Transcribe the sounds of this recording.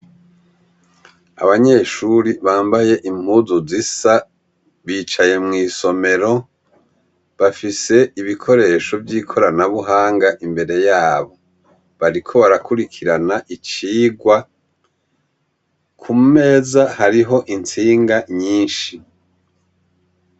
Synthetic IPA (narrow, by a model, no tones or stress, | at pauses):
a̰βaɲe̞ːʃuɾiβaːmbaje̞ʔim̥huzuzisa | βiːt͡ʃaje̞mŋiːso̞me̞ɾo̞ | βafise̞iβikʰo̞ɾe̞ːʃo̞vjiːkʰo̞ɾanaβuɦaːŋɡaʔimbe̞ɾe̞jaːβo̞ | βaɾikʰo̞βaɾakuɾikʰiɾanaʔit͡ʃiːɡwa | kʰume̞ːzahaɾiɦo̞ʔint͡siːŋɡaɲiːnʃi